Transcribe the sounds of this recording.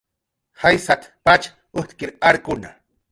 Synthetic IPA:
hajsat̪pat͡ʃ | ʊht̪kɪɾaɾkʊna

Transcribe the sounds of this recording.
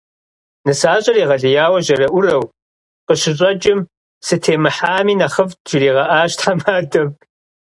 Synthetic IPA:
nɨsaːɕʼɐriːʁɐɮɪjaːwɐʒɐɾɐʔʷʊrɐw | qəɕɪɕʼɐd͡ʒʼɪm | sɨtʰeːmɨħaːmiːnɐχəvʒɪriːʁɐʔaːɕtħamaːdʼɐm

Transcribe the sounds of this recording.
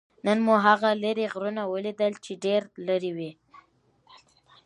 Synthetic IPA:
nənmuɦaɣaləɾeɣɾunawəlid̪əlt͡ʃeɖeɾləɾiwi

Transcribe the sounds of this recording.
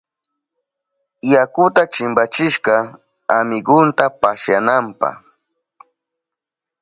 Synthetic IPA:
jakʊt̪at͡ʃɪmbat͡ʃɪʃkɑ | amɪɡʊnt̪apaʃjanampɑ̰χ

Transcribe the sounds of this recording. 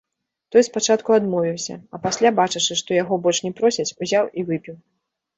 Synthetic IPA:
t̪ɔjspat͡ʂat̪kuad̪mɔvʲiwsʲɐ̰ɐpasʲlʲabat͡ʂɨt͡ʂɨʂt̪ɔjaɣɔbɔlʲt͡ʂʂnʲɛpɾɔsʲɐt͡sʲuzʲawivɨpʲiw

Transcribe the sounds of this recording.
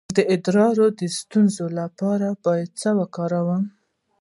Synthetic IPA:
d̪əɪd̪ɾɑɾod̪əst̪unzolapɑɾabɑjad̪̚səwakɑɾawəm

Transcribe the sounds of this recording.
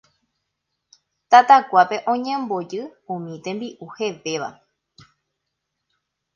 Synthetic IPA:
t̪at̪akʷape̞ʔõɲẽmbo̞d͡ʒɨũmĩt̪ẽ̞mbiʔuhe̞ʋe̞ʋa̰

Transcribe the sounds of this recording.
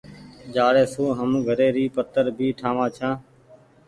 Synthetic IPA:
d͡ʒaːɽeːsoːɦəmɡʱəɾeːɾiːpət̪əɾbʱiːʈʰãːʋãːt͡ʃʰãː

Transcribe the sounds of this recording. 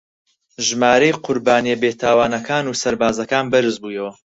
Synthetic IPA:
ʒmaːɾejqʰʊɾbaːniebet̪ʰaːwaːnɐkʰaːnuːsɐɾbaːzɐkaːnbɨɾɨzbuːjɐwɐ

